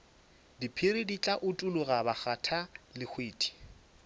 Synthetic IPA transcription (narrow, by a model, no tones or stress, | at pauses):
dipʰirɪdit͡ɬʼaʔʊtʼulʊɣabaχatʰalɪxʰweːtʰʼi̥